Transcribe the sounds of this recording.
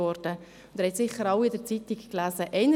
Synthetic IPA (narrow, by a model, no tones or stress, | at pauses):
ɔɾd̥ə | ʊnd̪ɛɾhɛt̪sɪχːəɾɑwɪdəɾt͡sit̪ikklæːzəʔɛɪnə